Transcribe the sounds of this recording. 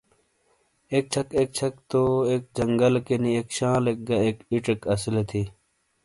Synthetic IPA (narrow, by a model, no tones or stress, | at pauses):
ek̚t͡ɕʰɐkek̚t͡ɕʰɐkt̪oeːk̚d͡ʑɐŋɡɐlkeniekɕãːlek̚ɡɐeːkiʈekɐsilet̪ʰi